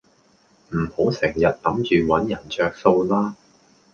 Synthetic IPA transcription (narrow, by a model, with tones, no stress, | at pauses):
m̩˨˩ho˨˥wsɪ˨˩ŋjɐ˨t̚lɐ˨˥mt͡ʃyː˨wɐ˨˥njɐ˨˩nt͡ʃœː˨k̚so˧wlaː˥